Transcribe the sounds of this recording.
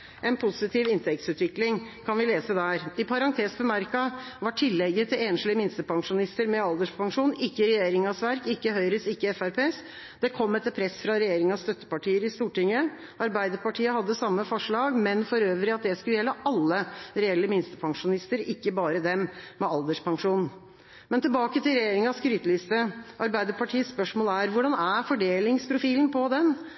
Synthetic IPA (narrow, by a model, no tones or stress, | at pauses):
ʔɛnpʰʊsɪt̪ʰiːʋɪnt̪ʰɛk̚t̪sʉːt̪ʋɪklɪŋkʰɑnʋɪleːsəd̪æːɾɪpʰɑɾɑŋt̪ʰeːsbəmæɾkɑʋɑʈʰɪlːɛɡːət̪ʰɪleːnʂlɪəmɪnst̪əpɑŋʂʊnɪst̪əɾmɛɑld̪əʂpʰɑŋʂuːnɪkːəɾɛjeːɾɪŋɑsʋæɾkɪkːəhœʏɾəsɪkːəɛfæɾpʰeːs | d̪̥ɛkʰɔmːɛt̪ːəɾpʰɾɛsfɾɑɾɛjeːɾɪŋɑst̪œt̪ːə̥pɑʈiːəɾɪst̪uːʈɪŋə | ɑɾbæɪd̪əɾpɑʈʰiːəhɑd̪ːəsɑmːəfɔʂɭɑːɡmɛnfɔɾøːʋəɾɪɑt̪̚d̪ɛskʉləjɛlːəʔɑlːəɾɛɛlːəmɪnst̪əpʰɑŋʂʊnɪst̪əɾɪkːəbɑːɾəd̪ɛmmɛɑld̪əʂpɑŋʂuːnn̩ | mɛnt̪ʰɪlbɑːkət̪ʰɪlɾɛjeːɾɪŋɑskɾyːt̪əlɪst̪əʔɑɾbæɪd̪əɾpɑʈʰiːəspœʂmoːləæɾʋʊɖɑnæɾfɔɖeːlɪŋspʰɾʊfiːln̩pʰɔd̪ɛn